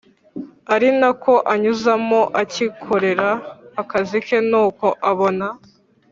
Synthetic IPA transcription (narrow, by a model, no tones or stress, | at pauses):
aɾinako̞ʔaɲuzamoʔacikʰo̞ɾe̞ɾaːkazike̞nuːko̞ʔaβo̞na